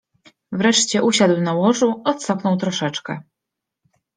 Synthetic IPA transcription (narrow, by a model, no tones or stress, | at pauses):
vɾɛʂt͡ɕɛʔuɕad̪wnawɔʐuɔt̪sapnɔwt̪ɾɔʂɛt͡ʂkɛ